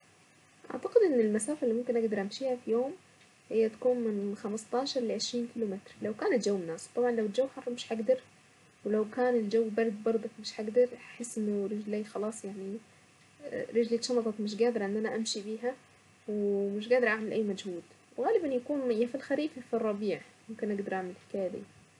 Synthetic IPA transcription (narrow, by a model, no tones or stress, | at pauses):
ʔa̰ʕt̪aqɪd̪ʔɪnːɪlmasaːfalːimʊmkɪnʔaɡd̪ɑɾˤʔamʃiːhafijoːm | hɪjːat̪ḁkuːnmɪnxamst̪ˤɑːʃɑɾˤlɪʕɪʃɾiːnkiːlumɪt̪ɾlawkaːnat̪d͡ʒawːɪmnːaːswt̪ˤɑbʕɑnlawɪld͡ʒawːħɑrˤːɑmɪʃħaɡd̪ɑɾˤ | wlawkaːnɪld͡ʒawːbɑɾˤd̪bɑɾˤd̪ˤɑkmɪʃħaɡd̪ɑɾˤħɪsːʔɪnːʊɾɪd͡ʒliːxɑlɑːsˤjaʕni | ɾɪʒliʃɑmɑt̪ˤɑkmɪʃ̬ɡaːd̪ɪɾˤʕɪnːʔænaʔamʃibiːɦa | wmɪʃ̬ɡaːd̪ɑɾʔaʕmɪlʔæːmæd͡ʒhuːd̪ | wɣaːlɪbanjakuːnmɪjafilxaɾiːffirˤːɑbiːʕmʊmkɪnʔaɡd̪ɑɾˤʔaʕmɪlħɪ̥kaːjad̪ḭː